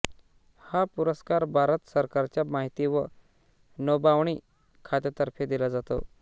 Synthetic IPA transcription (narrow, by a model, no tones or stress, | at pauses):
hapuɾəskaɾbʱaɾət̪səɾkaɾt͡ɕjamaɦit̪iːʋə | nəbaʋɳ̃iː | kʰat̪ət̪əɾpʰed̪ilad͡zat̪o̰